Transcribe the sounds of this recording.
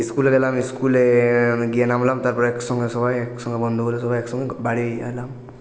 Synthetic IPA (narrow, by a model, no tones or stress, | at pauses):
iskulɛɡɛlamiskulɛɡijanamlamt̪aɹpɔɹaɛksɔŋɡɛsɔbajɛksɔŋɡɔbɔnd̪ʱuɡɔlɛsɔbajɛksɔŋɡɔbaɽialam